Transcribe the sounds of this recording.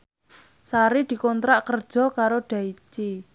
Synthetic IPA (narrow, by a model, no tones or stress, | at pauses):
saɾid̪̥i̤kɔnt̪ɾaʔkərd̥ʒ̥ɔ̤kaɾoɖ̥a̤it͡ʃi